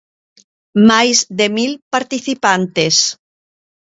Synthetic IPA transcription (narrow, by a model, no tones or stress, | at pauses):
majzðemilpaɾt̪iθipant̪es